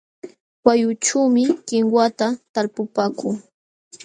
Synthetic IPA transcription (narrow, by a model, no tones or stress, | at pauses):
wajʊʈ͡ʂuwmɪkɪŋwat̪at̪aɾpʊpaːkʊŋ